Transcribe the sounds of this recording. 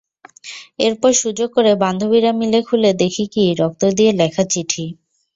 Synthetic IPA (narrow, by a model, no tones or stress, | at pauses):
eɾpɔɾʃud͡ʑoɡ̚koɾeband̪ʱobiɾamilekʰuled̪ekʰikiɾɔk̚t̪od̪ielɛkʰat͡ɕiʈʰi